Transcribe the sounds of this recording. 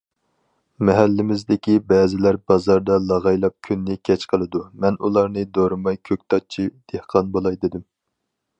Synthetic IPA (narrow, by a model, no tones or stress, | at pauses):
mɛɦælːɪmɪzd̪ɪkʲibɛːzɪlæɾbɑzɑɾd̪ɑlˠɑʁɑjlˠɑp̚kʲʰynːɪkʲʰɛt͡ʃqʰəlˠɨd̪umɛnulˠɑɾnɨd̪oɾɨmɑjkʲʰøk̚ʲt̪ʰɑt͡ʃʰid̪̥ehqʰɑnbolˠɑjd̪ɪd̪ɪm